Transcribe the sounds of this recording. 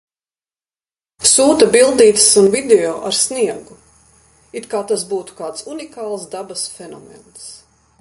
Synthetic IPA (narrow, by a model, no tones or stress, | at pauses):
suːt̪ɐbilˠd̪iːt̪sunvid̪eɔːʔaɾsnʲiɛɡu | it̪kaːt̪asbuːt̪u̥kaːt̪sunikaːlˠsd̪abɐsfɛnɔ̰mɛ̰ns